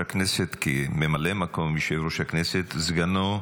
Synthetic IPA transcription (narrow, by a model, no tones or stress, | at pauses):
akneset̪kememalemakomiʃevɾuʃakneset̪zɡano